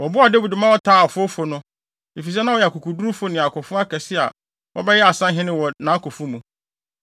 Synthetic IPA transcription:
wɔ˨bʊ˦a˨de˦we˨dʊ˨mã˦wɔ˦tʰaː˦˨ɔ˨fʊ˦fʊ˨˦nʊ̃˦ | e˨fi˨s̬ɛ˦nã˦wɔ˨jɛ˨a˨kʊ˨kʰu˨du˦u˦fʊ˦nɪ̃˨a˨kʰʊ˨fʊ̃˦a˦kʰɛ˨sɪ˦a̰˨ | wʔɔ̰˦bɛ˦jɛ˦a˨sã˦ɦɪ̃˦nɪ̃˦wɔ˨nã˨˦kʰɔ˨fʊ̃˦mũ˨

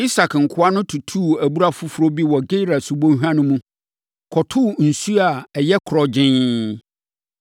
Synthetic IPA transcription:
i˦sa˨kŋ̩˨kʰʊ˦a˦nʊ̃˦tʰu˨tʰu˦˨æ˨bu˦ɾa˦fʊ˦fʊ˦ɾo˦bi˦wɔ˨ɡe˦ɾa˨sʊ˨bõ˦n˦ɦᶣã˦nʊ̃˦mũ˦ | kʰɔ˨tʰʊ˦˨n̩˨su˦a˨ɛ˨jɛ˦kʰʊ˨ɾɔ˨d͡ʑɪ̃˦n

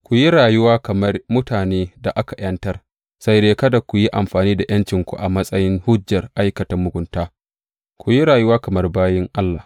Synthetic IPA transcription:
kʷu˨ji˦ɽaː˨jʊ˦waː˦kɐ˨mɐ˦rmʊ˦taː˨neː˦da˨ʔa˦ka˨jɐ˦ntɐ˦r | sa˦jdeː˦kɐ˦da˨kʷu˨ji˦ʔa˨mɸaː˨niː˦da˨j̰ɐ˦nt͡ʃɪ˨ŋkʷṵ˨ʔa˨mɐ˦sʼɐ˦jɪ˦ŋhʊ˦d͡ʒːɐ˨rʔa˦jkɐ˨tɐ˦mːʊ˨ɡʷʊ˦ntaː˦ | kʷu˨ji˦ɽaː˨ju˦waː˦kɐ˨mɐ˦rbaː˦jɪ˦ŋʔa˦lːaː˨

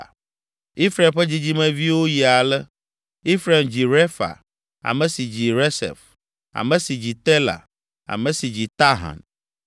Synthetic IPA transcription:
i˦fɾa˨mɸɛ˦d͡ʑi˦d͡ʑi˦mɛ̃˨vi˦wo˦ji˨a˨lɛ˦ | i˦fɾa˨md͡ʑi˨ɾe˦fa̰˨ | a̰˨mɛ̃˨si˨d͡ʑi˨ɾe˦sɛ̰˨f | a̰˨mɛ̃˦si˨d͡ʑi˨t̪ɛ˦la̰˨ | a̰˨mɛ̃˨si˨d͡ʑi˨t̪a˦ɦa̰˨n

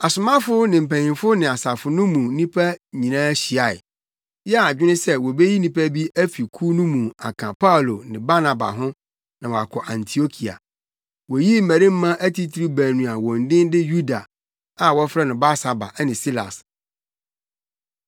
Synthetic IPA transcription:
a˨sʊ˨mã˦fʊ˦nɪ̃˨m̩˨pæ̃˨nĩ˨fʊ˦nɪ̃˨a˨sa˨fʊ˨nʊ̃˦mũ˨nĩ˦pʰæ˦ɲĩ˨nãː˦ɕi˨a˨ɪ̰˨ | jɛ˦a˨d͡ʑᶣɪ˦nɪ̃˦sɛ˦wɔ˨be˦ji˦nĩ˦pʰæ˦bi˦æ˦fi˨kʰu˦nʊ̃˦mũ˨a̰˨kʰã˨pʰa˦u˨lo˨nɪ̃˨ba˦na˨ba̰˨ɦʊ̃˦ | nã˨wɔ˨a˨kʰɔ˨ʔã˨ntʰi˨o˦kʰi˨a̰˨ | wɔ˨ji˦m̩˦mæ˨ɾĩ˦m̩˦mã˦ʔæ˦tʰi˦tʰi˦ɾi˦bæ˨nũ˨a˨wɔ̃˨n˨dɪ̃˦ndɪ˦ju˦da˨ | a˨wɔ˦fɾɛ˦nʊ̃˨ba˦sa˨ba̰˨ʔnɪ̃˨si˦la̰˨s

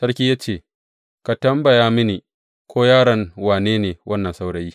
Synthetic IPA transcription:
sɐ˦ɽkʲiː˦jaː˦t͡ʃeː˦˨ | ka˨tɐ˦mbɐ˨jaː˦mɪ˦ni˨ | kʷʰoː˦jaː˦ɽɐ˨ŋwaː˨neː˦neː˨wʔɐ˦nːɐ˨nsa˦wɽɐ˦jiː˦

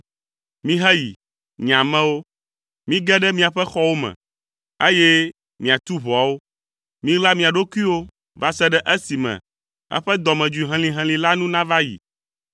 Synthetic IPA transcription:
mĩ˦ɦɛ˦jḭ˨ | ɲã˨mɛ̃˦wo˦ | mĩ˦ɡɛ˦ɖɛ˦mĩ˦a˨ɸɛ˦xɔ˦wo˦mɛ̰̃˨ | e˦jɛ˦ | mĩ˨a˨t̪u˦βɔ˨a˨˦wo˦ | mĩ˦la˦mĩ˨a˨ɖo˦ku˦i˦wo˦ | va˦sɛ˦ɖɛ˦ʔe˦si˨mɛ̰̃˨ | ɛ̰˦ɸɛ˦d̪ɔ˨mɛ̃˨d͡ʒu˨i˨ɦɛ̃˨lĩ˨ɦɛ̃˨lĩ˨la˦nũ˦nã˦va˦jḭ˨

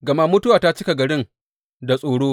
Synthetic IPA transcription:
ɡɐ˨ma˦mʊ˦tʊ˦waː˨ta˦t͡ʃɪ˦ka˨ɡɐ˨ɽɪ˦n | da˨sʼoː˨ɽoː˦

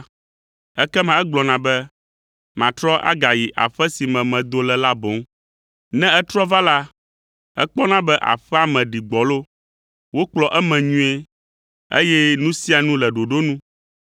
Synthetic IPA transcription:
ɛ˦kɛ˦mã˨ɛ˦ɡ͡blɔ˨nã˨bɛ˦ | mã˨t̪ɾɔ˦ʔa̰˦ɡa˨ji˨ʔa̰˨ɸɛ˦si˨mɛ̃˨mɛ̃˨d̪o˦lɛ˨la˦bo˨˦ŋ | nɛ̃˦ɛ˦t̪ɾɔ˦va˦la˦ | ɛ̰˦k͡pɔ˦nã˦bɛ˦ʔa̰˨ɸɛ˦a˨mɛ̃˨ɖi˨ɡ͡bɔ˨lo˦ | wo˦k͡plɔ˨ʔɛ˦mɛ̃˨ɲũ˦e˦ | ḛ˦jɛ˦nũ˦si˦a˨nũ˦lɛ˨ɖo˨ɖo˦nũ˦

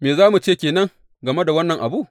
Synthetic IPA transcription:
meː˨zaː˦mu˨t͡ʃeː˦˨kʲeː˨nɐ˦ŋ | ɡɐ˨me˦da˨wɐ˦nːɐ˨ŋʔa˨bu˦˨ʔ

